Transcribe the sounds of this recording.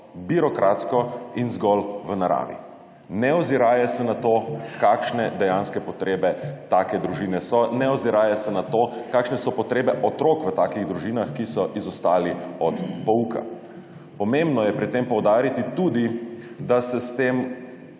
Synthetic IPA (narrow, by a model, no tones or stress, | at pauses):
biɾɔkɾʔat̪skɔinzɡɔlʋənaɾa̰ːʋḭ | nɛɔziɾaːjɛsɛnat̪okaːkʃnɛd̪ɛjanskɛpɔt̪ɾeːbɛt̪aːkɛd̪ɾuʒiːnɛsɔnɛɔziɾaːjɛsɛnat̪oːkaːkʃnɛsɔpɔt̪ɾeːbɛʔɔt̪ɾokʋət̪aːkiɣd̪ɾuʒinaxkisɔʔizɔst̪aːliɔt̪pɔuka̰ | pɔmembnɔjɛpɾit̪ːempɔwd̪aːɾit̪it̪ud̪i | d̪asɛst̪eːm